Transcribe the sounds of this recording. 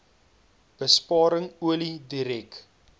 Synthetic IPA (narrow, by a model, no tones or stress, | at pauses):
b̥əspɑːɾəŋuəlidiɾɛk